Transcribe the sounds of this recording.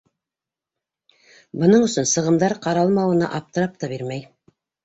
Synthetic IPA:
bɤ̆nɤɴɵ̆sɵnsɤ̆ʁɤ̆md̪ɑɾqɑɾɑlˠmɑwɤ̆nɑ̰ʔɑp̚t̪ɤ̆ɾɑp̚t̪ɑbiɾmæj

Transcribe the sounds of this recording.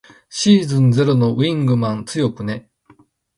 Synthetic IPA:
ɕiːzɨ̃nd͡ze̞ɾono̞βĩŋɡɯ̟mãnt͡sɨjo̞kɯ̟ne̞

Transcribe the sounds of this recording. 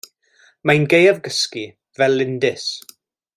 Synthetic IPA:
majnɡejavɡəski | vɛlːɪndɪs

